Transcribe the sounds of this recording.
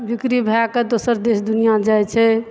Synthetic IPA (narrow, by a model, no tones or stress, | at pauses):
bikɾibʱaked̪osəɾd̪esd̪unijad͡ʒajt͡ʃʰɛ